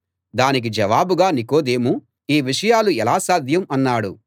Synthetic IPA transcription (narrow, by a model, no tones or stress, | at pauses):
d̪aːnik̬id͡ʒɛʋaːbuɡaːniko̞ːd̪eːmu | iːʋiʂɐjaːluɛlaːsaːd̪ʱjɐmɐnːaːɽṵ